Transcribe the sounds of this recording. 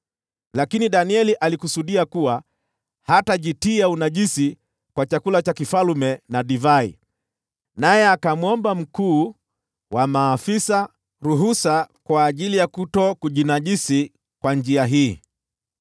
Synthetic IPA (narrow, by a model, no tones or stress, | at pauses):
lakiniɗaniɛliʔalikusuɗiakuwa | hataʄitiaunaʄisi | kwat͡ʃakulat͡ʃakifalumɛnaɗivaḭ | najɛakamwɔmbam̩kuː | wamaːfisa | ɾuɦusakwaːʄilijakutɔkuʄinaʄisi | kwand͡ʒiaɦiː